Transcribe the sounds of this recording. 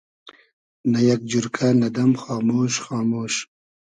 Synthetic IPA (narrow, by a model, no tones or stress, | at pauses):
najɐk̚d͡ʒuɾkʰanɐd̪ɐmxɑːmoːʃxɑːmoːʃ